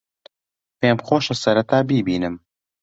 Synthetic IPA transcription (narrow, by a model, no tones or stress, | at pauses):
pemχoːʃɐsɐɾɐt̪aːbiːbiːnɨm